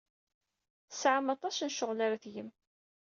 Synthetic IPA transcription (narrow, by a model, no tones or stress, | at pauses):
θəsʕəmɑt̪ˤɑsnʃʊʁlaɾaθjəm